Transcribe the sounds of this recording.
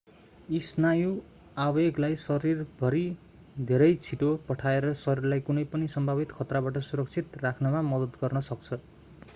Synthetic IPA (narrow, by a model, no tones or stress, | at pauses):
isnaju | abeɡlajsʌɾirbʱʌɾi | d̪ʱeɾʌjt͡sʰiʈopʌʈʰaeɾʌsʌɾirlajkunʌjpʌnisʌmbʱabit̪kʰʌt̪rabaʈʌsuɾʌkt͡sʰit̪rakʰnʌmamʌd̪ʌd̪ɡʌrnʌsʌk̚t͡sʰʌ